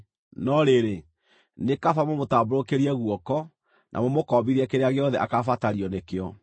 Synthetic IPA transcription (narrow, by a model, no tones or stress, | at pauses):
nɔɾeɾe | nekafamomotaːboɾokeɾiɛɣuɔkɔ | nʔa̰momokɔːbiɾɛkeɾeaɣeɔðɛʔakafataɾiɔnekeɔ